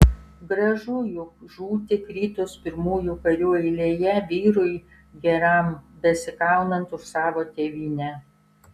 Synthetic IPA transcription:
ɡɾɐʒujʊkʒuːt̪ʲɪkɾʲiːt̪ʊspʲɪɾmuːjukɐɾʲuːɛɪlʲeːjɛʋʲiːɾʊɪ | ɡʲɛɾɐˑmbʲɛsʲɪkɑˑʊnɐnt̪ʊʃsɑːʋoːt̪ʲeːʋʲiːnʲæ

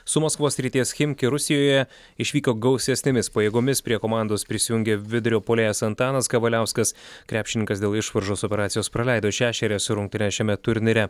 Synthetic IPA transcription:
sʊmoːskʋoːssʲɾʲiːt̪ʲiɛsxʲɪmʲkʲɪɾʊsʲɪjoːjɛ | ɪʃʲʋʲiːkoːɡɒʊsʲɛsʲnʲɪmʲɪspɐjeːɡomʲɪspʲɾʲiɛkoːmɑˑnd̪oːspʲɾʲɪsʲɪjʊŋʲɡʲeʋʲɪd̪ʲʊɾʲoːpoːlʲeːjɛsɐnt̪ɑːnɐskɐʋɐlʲæˑʊskɐskɾʲæːpʲʃʲɪnʲɪŋkɐsd̪ʲeːlˠɪʃʋɐɾʒoːsopʲɛɾɑːt̪sʲjoːspɾɐlʲæˑɪd̪oːʃʲæːʃʲɛɾʲɛsʊɾʊŋkt̪ʲɪnʲɛʃʲɛmʲɛt̪ʊɾʲnʲɪɾʲɛ

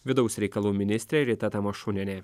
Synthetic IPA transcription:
ʋʲɪd̪ɒʊsʲɾʲɛɪkɐlˠuːmʲɪnʲɪsʲt̪ʲɾʲeɾʲɪt̪ɐt̪ɐmɐʃʊnʲɛnʲeː

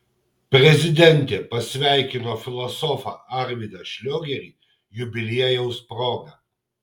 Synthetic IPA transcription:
pʲɾʲɛzʲɪd̪ʲɛnʲt̪ʲeːpɐsʲʋʲæˑɪkʲɪnoːfʲɪlˠɔsɔfɑ̰ɐɾʲʋʲid̪ɐʃʲlʲoːɡʲɛɾʲiːˑ | jʊbʲɪlʲiɛjɛʊspɾɔːɡɐ

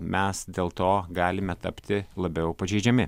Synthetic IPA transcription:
mʲɛsd̪ʲeːlˠt̪oːɡɑːlʲɪmʲɛt̪ɐpʲt̪ʲɪlˠɐbʲɛʊpɐʒʲɛɪd͡ʒʲɛmʲɪ

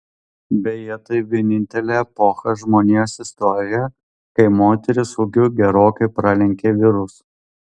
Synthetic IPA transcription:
bʲɛjɛt̪ɐɪʋʲiɛnʲɪnʲt̪ʲɛlʲeːɛpɔxɐʒmoːnʲiɛsɪst̪ɔɾʲɪjɛ | kɐɪmoːt̪ʲɛɾʲɪsʊɡʲʊɡʲɛɾoːkɐɪpɾɑlʲɛŋʲkʲeːʋʲɪɾʊs

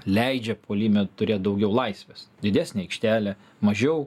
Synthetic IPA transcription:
lʲɛɪd͡ʒʲɛpʰoːlʲiːmʲɛt̪ʊɾʲeːt̪d̪ɐʊɡʲɛʊlˠɐɪsʲʋʲesd̪ʲɪd̪ʲæːsʲnʲeːɐɪkʃʲt̪ʲæːlʲɛ | mɐʒʲɛʊ

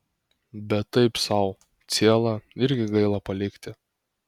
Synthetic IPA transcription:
bʲɛt̪ːɐɪpsɐʊ | t̪sʲiɛlˠɐɪɾʲɡʲɪɡɐɪlˠɐpɐlʲɪkʲt̪ʲɪ

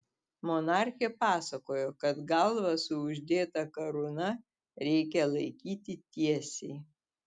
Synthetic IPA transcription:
mɔnɑˑɾʲxʲɛpɑːsɐkoːjoːkɐt̪ɡɑlˠʋɐsʊʊʒʲd̪ʲeːt̪ɐkɐɾʊnɐ | ɾʲɛɪkʲɛlˠɐɪkʲiːt̪ʲɪt̪ʲiɛsʲɛɪ

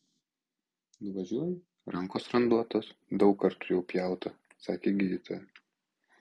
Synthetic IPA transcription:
nʊʋɐʒʲuɔjɛ | ɾɐŋkoːsɾɐnd̪uɔt̪oːsd̪ɒʊkːɐɾt̪ʊjɛʊpʲjæˑʊt̪ɐ | sɑːkʲeːɡʲɪjʲɪt̪ʰojɛ

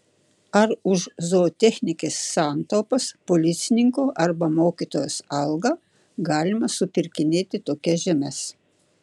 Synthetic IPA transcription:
ɐɾʊʃzoːt̪ʲɛxʲnʲɪkʲeːsːɑːnt̪oːpɐspolʲɪt̪sʲɪnʲɪŋkoːʔɐɾbɐmoːkʲiˑt̪oːjoːsɐlˠɡɑː | ɡɑːlʲɪmɐsʊpʲɪɾʲkʲɪnʲeːt̪ʲɪt̪oːkʲɛʒʲɛmʲɛs

